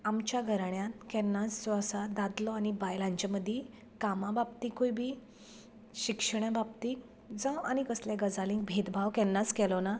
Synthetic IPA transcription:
amt͡ɕjaɡʱəɾaɳjãt̪̚kɛ̃nːat͡sd͡zɔəsad̪ad̪lɔañibajlãɲt͡ɕaməd̪ʱje | kamababt̪ikojbʱi | ɕikʂəɳjababt̪iː | d͡zə̃añikəsljaɡəd͡zalĩŋɡbʱet̪bʱaʋkɛnːat͡skɛlɔna

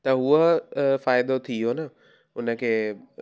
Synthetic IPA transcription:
t̪ɐɦuəfaːɪd̪ot̪ʰioːnɐ | ʊnə̆kʰeː

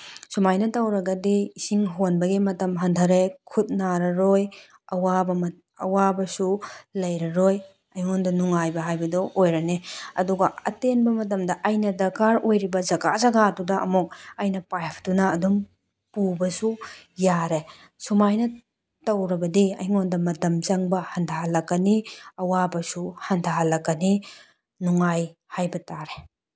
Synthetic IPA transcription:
sumajnɐtɐwɾɐɡɐdiːsiŋɦonbɐɡimɐtɐmɦɐndʰʱɐɾekʰut̚naɾɐɾoj | ɐwabɐmɐ | ɐ̰wabɐsulɐjɾɐɾoj | ɐjondɐnuŋajbɐɦajbɐdɔʔojɾɐneɐduɡɐɐ̰tenbɐmɐt̬ɐmdɐʔɐjnɐdɐkaɾojɾibɐzɐɡazɐɡadudɐɐ̰muk̚ɐjnɐpajpʰdunɐːdum | pubɐsujaɾe | sumajnɐ | tɐwɾɐbɐdiɐ̰jŋondɐmɐtɐmzɐŋbɐhɐndʰʱaɦlɐkːɐniɐwabɐsuhɐndʰʱaɦlɐkːɐni | nuŋajhajbɐtaɾe

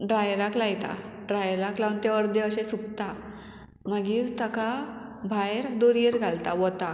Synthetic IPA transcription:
ɖɾajɾaklajt̪a̰ | ɖɾajɾaklaʋnt̪aəɾd̪eəɕesuk̚t̪a | məɡiːɾt̪əkabʱajɾd̪oɾɡeɾɡʱalt̪aʋɔt̪a

